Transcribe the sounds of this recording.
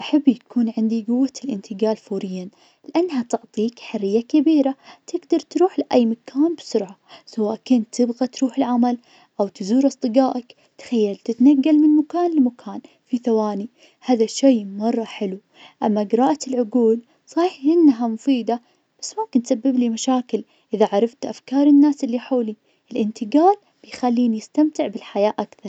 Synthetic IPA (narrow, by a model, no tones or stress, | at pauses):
ʔaħabːjakʰuːnʕɪnd̪iɡʊwːalʔɪnt̪ɪɡaːlfuːɾɪjːan | lɪʔanːɦat̪ʊʕt̪ˤiːkħarːɪjːakabiːɾat̪ɪɡd̪ɑɾˤt̪ɾuːħlɪʔajːmakʰaːnbɪsʊɾʕasawaːʔkʊnt̪t̪ʰːɪbɣat̪ɾuːħɪlʕamal | ʔawt̪ɪzuːɾʔɑsˤt̪ˤɨɡaːʔak | t̪xajːalt̪ɪt̪naɡːalmɪnmakaːnlmakʰaːn | fiθawaːni | haːðaʃejːmɑrˤːɑħɪlu | ʔamːaɡɪɾˤɑːʔaɪlʕʊɡuːl | sˤɑːħʔɪnːɦamʊfiːd̪a | b̥asːmʊmkɪnt̪sabːɪblimaʃaːkɪl | ʔɪðaʕɑɾˤɑft̪ʔafkɑːɾˤɪnːaːsʔɪlːiħoːli | ɪlʔɪnt̪ɪɡaːl | b̥ɪjxalːiːnjɪst̪amt̪ɪʕbɪlħajaːʔakθɑɾˤ